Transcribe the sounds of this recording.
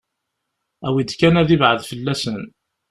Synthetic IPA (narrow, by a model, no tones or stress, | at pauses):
æwid̪kænæðivʕəðfəlːæsən